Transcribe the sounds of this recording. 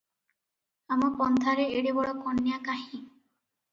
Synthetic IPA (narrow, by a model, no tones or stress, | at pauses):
amɔpɔnt̪ʰaɾeeɽebɔɽɔkɔnːijakaɦĩ